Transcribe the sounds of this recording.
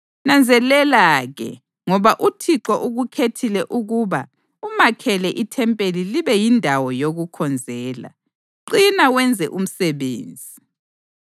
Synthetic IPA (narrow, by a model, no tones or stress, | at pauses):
nand͡zʱɛlɛlaɣɛ̰ | ŋɔβaʔutʰiǁɔʔuɣukʰetʰilɛʔuɣuβa | umakʰɛlɛʔitʰɛmpʼeliliβɛjindʱawɔjoɣukʰɔnd͡zʱɛːla̰ | ǃinawɛnd͡zʱɛ̰ʔum̩sɛβḛːnd͡zʱi